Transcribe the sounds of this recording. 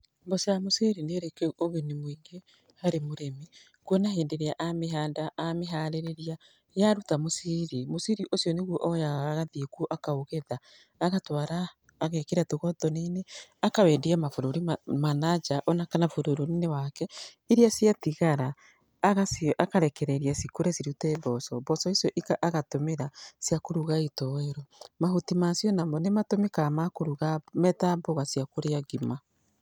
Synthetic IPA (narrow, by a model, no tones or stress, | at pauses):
mbɔsjamoseɾineɾekeoβenemwiːŋɡe | haɾemoɾemi | kwɔnaɦeːndeɾeaʔameɦandaameɦaɾeɾeɾia | jaɾutamosiɾimosiɾiʔosjɔneɣuɔʔɔjaːɣaðikuʔakaoɣeðaː | ɣatwaɾaː | ɣekeɾatoɣɔðɔneneakawɛndiamafoɾoɾimanad͡ʒaʔɔnakanafoɾoɾoɾinewakɛ | iɾiasjatiɣaɾaː | ɣasʔakaɾɛkɛɾɛɾiasikuɾɛsiɾutɛβɔsɔbɔsɔisjɔʔikaʔaɣatomeɾasiakoɾuɣaitɔeɾomaɦotimasjɔnamɔnematomekamakoɾuɣamɛtamboɣasiakoɾeaɡima